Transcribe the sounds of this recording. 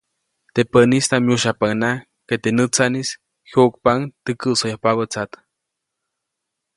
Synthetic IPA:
t̪epənist̪amjuʃapaŋna | ket̪enət͡sanis | hok̚paŋt̪əkɨʔsojahpaβət͡sat̪

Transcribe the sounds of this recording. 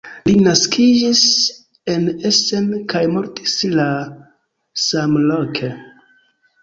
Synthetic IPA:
linaskid͡ʒis | e̞nese̞mkajmo̞ɾti̥sla | samlo̞kʰe

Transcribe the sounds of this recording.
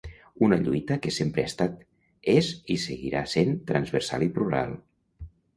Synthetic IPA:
unəʎujt̪əkesempɾeast̪at̪ | ezisəɣḭɾa̰sent̪ɾanzβəɾsa̰lipluɾa̰lˠ

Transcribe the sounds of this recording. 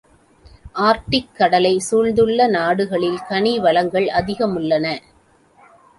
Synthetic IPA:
ʔaːɾʈɪkːɐɽɐlɐɪsuːɻd̪ɯɭːɐnaːɽɯɣɐɭɪlkɐɳiʋɐlɐŋɡɐɭʔɐðɪɣɐmɯɭːɐnɐ

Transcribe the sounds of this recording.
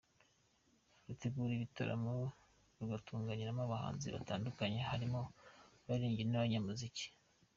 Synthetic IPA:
ɾuteɡuːɾiβita̰ɾa̰mo | βɡatʰuːŋɡaɲiɾamaβaha̰ːnzḭβa̰taːndukaɲe̞haɾimo̞βaɾiːɲɟiɾenaβaɲamuzici̥

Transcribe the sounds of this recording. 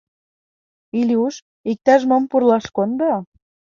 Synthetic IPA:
ilʲiuʃ | ik̚t̪æʃ̬mompurlɑʃkond̪o

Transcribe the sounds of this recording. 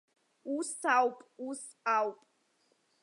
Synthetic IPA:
usawpʼus | awpʼ

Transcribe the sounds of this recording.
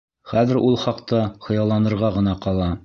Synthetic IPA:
χæðɘ̆ɾʔulˠχɑqt̪ɑχɤ̆jɑlˠɑnɤ̆ɾʁɑʁɤ̆nɑqɑlˠɑ

